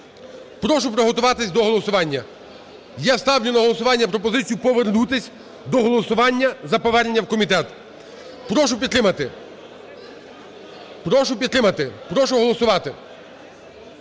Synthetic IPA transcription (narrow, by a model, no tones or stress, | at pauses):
pɾɔʃʊpɾɔɦɔt̪ʊʋɑt̪ɪsʲd̪ɔɦɔlˠɔsʊʋɑnʲːɐ | jast̪ɑwnʲʊnɐɦɔlˠɔsʊʋɑnʲːɐpɾɔpɔzɪt͡sʲijʊpɔʋernut̪ɪsʲ | d̪ɔɦɔlˠɔsʊʋɑnʲːɐzɐpɔʋɛrnenʲːɐwkɔmʲit̪ɛt̪ | pɾɔʃʊpʲid̪t̪ɾɪmɐt̪ɪ | pɾɔʃʊpʲid̪t̪ɾɪmɐt̪ɪpɾɔʃʊɦɔlˠɔsʊʋɑt̪ɪ